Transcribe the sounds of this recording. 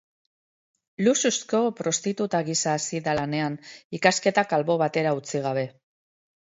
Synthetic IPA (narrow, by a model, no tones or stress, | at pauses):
lususko̞pɾo̞st̪it̪ut̪aɣisaːsiðalane̞anikaske̞t̪akalβo̞βat̪e̞ɾaut͡siɣ̞aβ̞e̞